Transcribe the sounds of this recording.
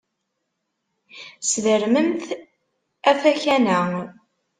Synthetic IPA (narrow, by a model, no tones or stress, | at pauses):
sðəɾməmθ | æfæçænæ